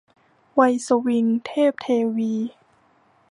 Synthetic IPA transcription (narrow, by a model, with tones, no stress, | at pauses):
wa˧jso˧wi˧ŋt̪ʰeː˥˩p̚t̪ʰeː˧wiː˧